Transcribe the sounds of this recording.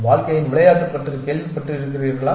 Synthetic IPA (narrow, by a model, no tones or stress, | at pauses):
ʋaːɻkɐjɪnʋɪɭɐjaːʈːɯpːɐʈːrɯkeːlʋipɐʈːrɯɪɾɯkːɪriːɾɣɐɭaː